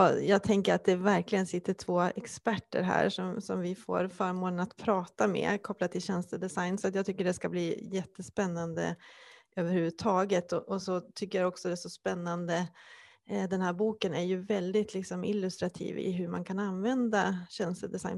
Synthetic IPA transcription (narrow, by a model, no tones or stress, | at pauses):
jɑːɡ̚t̪ʰɛŋkəɾat̪̚d̪ɛvæɾklɪɡənsɪt̪ʰːəʈʰvoːɛkspæʈːə̰ɾɦæ̰ːɾʂɔmsɔmvɪfo̰ːɾfœɾmoːd̪ənat̪pʰɾɑːt̪amɛ̰kʰɔplad̪̚t̪ʰːɪlɕɛnst̪əd̪ɛsajnsɔat̪jɑːɡt̪ʰʏkːəɖɛskabliːjɛt̪ʰːəspɛnːand̪ə̰øːvəɾhʉ̟vʉt̪ʰːɑːɡət̪ʰɔʔɔsɔt̪ʰʏkːəɾjaɔksɔd̪ɛsɔspɛnːand̪ə | d̪ɛnhæːɾbuːkənæɾjɵvɛld̪ɪt̪ʰlɪksɔmɪ̰lːɵst̪ɾat̪ʰḭːvɪ̰ɦɵɾma̰nkʰananvɛnd̪aɕɛnst̪əd̪ɛsa̰jn